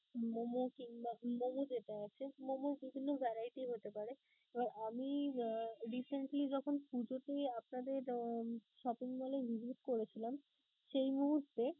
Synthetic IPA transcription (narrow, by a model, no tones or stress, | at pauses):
momokiŋbamomod͡ʑeʈaat͡ɕʰemomoɾbibʱinːobʱɛɾajʈiɦot̪epaɾe | ebaɾami | ɾiseɳʈlid͡ʑɔkʰonpud͡ʑoʈeap̚nad̪eɾʃɔpiŋmalevizʱiʈkoɾet͡ɕʰilam | ʃejmuɦuɾt̪ːe